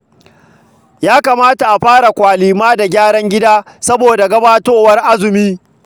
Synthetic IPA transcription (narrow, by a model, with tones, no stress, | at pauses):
jaː˦ka˨maː˦ta˨ʔa˨ɸaː˦ɽa˨kʷaː˨liː˨maː˦da˨ɡʲaː˦ɽɐ˦ŋɡʲɪ˦daː˦sɐ˦boː˨da˨ɡɐ˦baː˦toː˦wɐ˦rʔa˦zʊ˨miː˦